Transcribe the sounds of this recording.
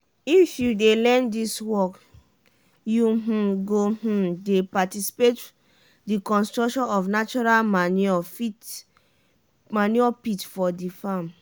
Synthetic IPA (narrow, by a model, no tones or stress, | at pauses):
ifjudelɛ̃ndiswɔk | juɦ̩ɡoh̩depatisi̥pet | dikɔ̃nstɹɔkʃɔ̃nɔfnat͡ʃɔɹalmanɔfit | maniɔpitfɔdifam